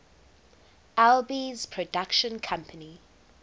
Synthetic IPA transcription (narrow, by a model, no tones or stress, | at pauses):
albizpʰɹ̥ɔdakʃə̃nkʰãmpʰəni